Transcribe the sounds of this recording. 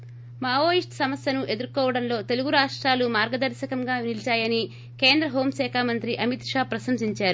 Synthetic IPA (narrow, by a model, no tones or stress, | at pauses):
maːoːjiʂʈsɐmɐsjɐnuʔe̞d̪uɾkɔːʋɐɽɐnlo̞ːt̪e̞luɡuɾaːʂʈɾaːlumaːɾɡɐd̪ɐɾʃɐkɐmɡaːnilt͡ʃaːjɐni | ke̞ːnd̪ɾɐɦo̞ːmsɛːkʰaːmɐnt̪ɾiʔɐmit̪ʂaːpɾɐsɐmsiɲt͡ʃaːɾu